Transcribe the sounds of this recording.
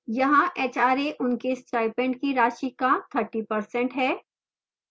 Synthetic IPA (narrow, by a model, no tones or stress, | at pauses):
jɐɦãʔeːt͡ʃaːɾeʔʊnkesʈaːɪpɛ̃ɳɖkiɾaːʃikat̪ʰəɾʈipɐɾsɛ̃ɳʈɦɛː